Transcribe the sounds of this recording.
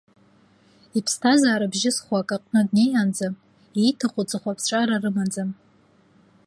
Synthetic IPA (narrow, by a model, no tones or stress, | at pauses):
ipʰstʰazaːɾabʒɪsχʷakʼaqʼnɨdne̞jand͡zam | ejtʰaχʷʊt͡sʼɨχʷapʰsʈ͡ʂʷʼaɾarɨmand͡zam